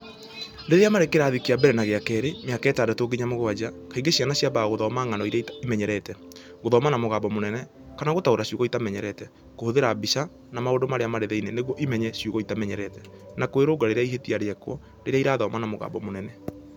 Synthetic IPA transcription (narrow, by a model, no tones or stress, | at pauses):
deðeamaɾekeɾaðikeabɛɾɛnaɣeakɛɾemeakɛːtaːdatoːɡiɲamoɣoad͡ʑakaiŋɡeɕjanaɕjabaɣoðɔːmaŋanɔiɾaiimɛɲɛɾɛtɛ | ɣoðɔmanamoɣaːbɔmonɛnɛ | kanaɣotaoɾaɕjoɣɔitamɛɲɛɾɛtɛ | kohoðeɾaːbisa | namaodomaɾeamaɾeðɛineneɣwɔʔimɛɲɛɕjoɣɔitamɛɲɛɾɛtɛ | nakoeɾoɡaɾeɾeaiɦetiaɾeɛkwɔ | ɾeɾeaiɾaːðɔːmanamoɣa̰ːbɔmonɛnɛ